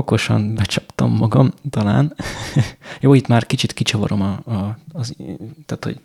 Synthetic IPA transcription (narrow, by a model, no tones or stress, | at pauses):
okoʃɒ̰nbɛt͡ʃɒ̥pt̪ɒ̰mːɒɡɒmt̪ɒla̰ːn | joːit̪maːrkit͡ʃit̪kit͡ʃɒvɒ̰ɾo̞mɒːzt̪aːt̪ho̰ɟ̥